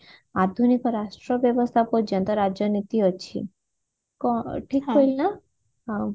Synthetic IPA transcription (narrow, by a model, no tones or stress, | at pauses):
ad̪ʱunikɔɾaʃʈɾɔbjɔʋɔst̪ʰapod͡ʒɔ̃nt̪ɔɾad͡ʒjɔnit̪iɔt͡ʃʰḭ | kɔʈʰikːɔilna